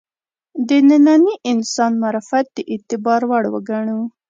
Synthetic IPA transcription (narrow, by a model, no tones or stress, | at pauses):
d̪ənɪnɑniʔɪnsɑnmaɾafat̪̚d̪̥əʔɪt̪ɪbɑɾwaɽwə̰ɡaɳuw